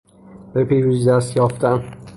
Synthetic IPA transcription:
bepʰiɾuzd̪æst̪jɒːft̪æn

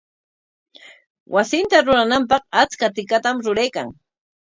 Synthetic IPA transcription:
wʔasɪnt̪aɾʊɾanampɑqat͡skat̪ɪkat̪amɾʊɾajkaŋ

